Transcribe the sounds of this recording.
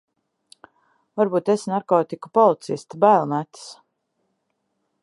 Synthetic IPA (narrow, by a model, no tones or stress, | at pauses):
vaɾbuːt̪esnaɾkɔːt̪iku̥pɔlˠit̪sist̪bæːlˠmæt̪s